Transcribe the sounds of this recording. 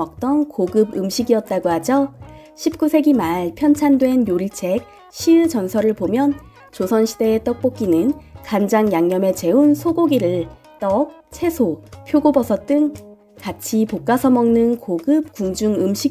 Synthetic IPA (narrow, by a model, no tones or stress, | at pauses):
ʌk̚t͈ʌnkoɡɯbɯmɕʰiɡiʌt̚t͈aɡohad͡ʑʌ | ɕʰip̚k͈usʰe̞ɡimaɭpʰjʌnt͡ɕʰandwe̞njoɾiɭt͡ɕʰe̞k̚ | ɕʰiɭd͡ʑʌnsʰʌɾɯɭpomjʌn | t͡ɕosʰʌnɕʰide̞ːt͈ʌk̚p͈ok͈inɯnkand͡ʑaŋjaŋɲʌme̞t͡ɕe̞unsʰoɡoɡiɾɯɭ | t͈ʌk̚ | t͡ɕʰe̞sʰopʰjoɡobʌsʰʌt͈ɯŋ | kat͡ɕʰipok͈̚asʰʌmʌŋnɯnkoɡɯp̚kuŋd͡ʑuŋɯmɕʰi